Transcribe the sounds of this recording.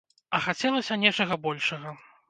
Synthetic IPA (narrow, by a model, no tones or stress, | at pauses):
ɐxat͡sʲɛlˠɐsʲɐnʲɛt͡ʂɐɣɐbɔlʲʂɐɣɐ